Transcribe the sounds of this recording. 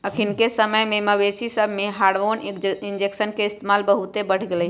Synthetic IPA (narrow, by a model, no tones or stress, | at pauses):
əkʰɪnkesəməjmẽməbeːsisəbʱmẽɦaːɖʋoːnɪnd͡ʒeksənkeɪst̪emaːlbəɦut̪ebəɽ̤ɡele